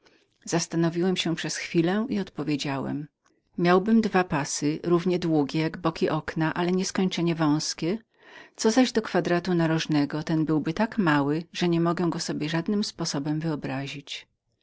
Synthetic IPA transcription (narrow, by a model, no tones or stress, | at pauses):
z̥ast̪anɔvʲiwɛmɕɛpʂɛsxfʲilɛiɔt̪pɔvʲjed͡ʑawɛ̰m | mʲjawbɘmd̪vapasɘɾuvɲɛd̪wuɡʲɛjaɡbɔkʲiʔɔknaʔalɛɲɛskɔɲt͡ʂɛɲɛvɔ̃w̃skʲɛ | t̪sɔzaʑd̪ɔkfad̪ɾat̪unaɾɔʐnɛɡɔt̪ɛnbɘwbɘt̪akmawɘʐ̥ɛɲɛmɔɡɛɡɔsɔbʲjɛʐad̪nɘmspɔsɔbɛmvɘɔbɾaʑit͡ɕ